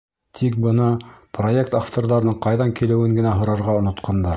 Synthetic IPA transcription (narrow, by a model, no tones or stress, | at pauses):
t̪ʰik̚bɤnɑproje̞k̚t̪aft̪orðɑɾɤ̆nɤɴqɑjðɑŋkilɘ̆wɘŋɡɘ̆næɦŏɾɑɾʁɑŏnŏt̪qʰɑnd̪ɑ